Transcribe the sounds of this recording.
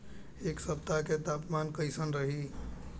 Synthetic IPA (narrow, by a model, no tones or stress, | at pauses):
eksəp̚t̪aket̪apmankəɪsənɾəɦi